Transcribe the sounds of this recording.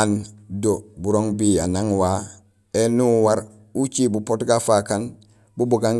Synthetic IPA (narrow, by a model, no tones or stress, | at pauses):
andobuɾoŋbianaŋwa | enuwaɾ | ut͡ʃibupotɡafakan | bubuɡaŋ